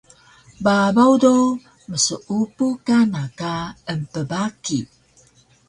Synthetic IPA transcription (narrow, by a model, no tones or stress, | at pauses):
babawdo | məsəʔupukanakaəmpəbaki